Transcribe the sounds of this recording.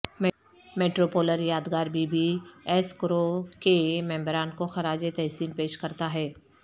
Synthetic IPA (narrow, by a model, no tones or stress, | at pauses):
m | meːʈɾoːpoːləɾjaːd̪ɡaːɾbʱibʱiɛːskɾokemɛ̃ːmbɾaːnkoxɐɾaːd͡ʒet̪ɛɦsiːnpeːʃkɐɾt̪aɦɛː